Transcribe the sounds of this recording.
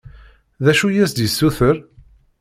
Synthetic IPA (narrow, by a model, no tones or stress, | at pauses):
ðæʃujæsd̪jəsːuθəɾ